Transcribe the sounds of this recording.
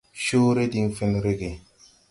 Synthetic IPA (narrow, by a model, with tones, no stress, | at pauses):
ʃoː˦ɾe˦di˦ŋfi˦nɾe˦ɡe˨